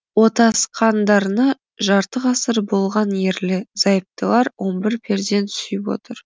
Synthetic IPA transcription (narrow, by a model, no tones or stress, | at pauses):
wo̞t̪ɑsqʰɑnd̪ɑɾənɑ | ʒɑɾt̪əqɑsəɾbo̞lˠʁɑnje̞ɾlɪz̥ɑjəp̚t̪əlˠɑɾwʔo̞nbɪɾpʰe̞ɾd̪e̞nt̪sʏjɪpwo̰t̪əɾ